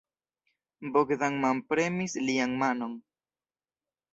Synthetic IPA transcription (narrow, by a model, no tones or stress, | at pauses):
bokdaŋmampɾe̞misliaŋmano̞n